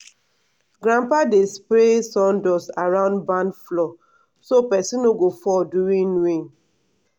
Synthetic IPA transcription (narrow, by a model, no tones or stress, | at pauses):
ɡɾãmpadespɾesɔ̃ndɔsaɹãʊ̃ndbãnflɔ | sopɛsĩnoɡofɔduɹĩnwĩn